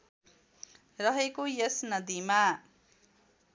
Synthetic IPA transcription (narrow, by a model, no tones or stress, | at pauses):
rʌɦekojesnʌd̪ima